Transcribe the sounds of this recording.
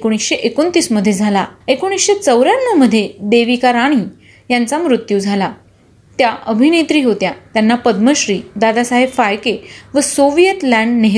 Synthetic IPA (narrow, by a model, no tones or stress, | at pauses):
ekoɽ̃isɕeʔekont̪iːsməd̪ʱːjed͡zʱalaekoɽ̃isɕet͡səwɾjãnːəməd̪ʱːjed̪eʋikaɾaɽ̃iː | jant͡samɾut̪jud͡zʱala | t̪jaʔəbʱinet̪ɾiːɦot̪jat̪janːapəd̪məɕɾiːd̪ad̪asaɦebfajkeʋəsoʋijət̪læ̃ɳɖneɦ